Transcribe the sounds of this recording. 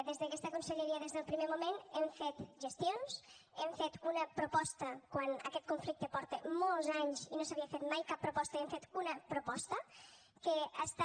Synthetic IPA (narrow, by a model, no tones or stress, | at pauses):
d̪ezðəkɛst̪əkunsəʎeɾiəðezðəlˠpɾimemumenɛmfet̪ʒəst̪jons | ɛmfet̪unəpɾopɔst̪əkwanə̰kɛt̪̚kuɱflik̚t̪əpɔɾt̪emɔlˠzaɲzinosaβiəfet̪majkapːɾopɔst̪əemfet̪unəpɾopɔst̪ə | keəst̪a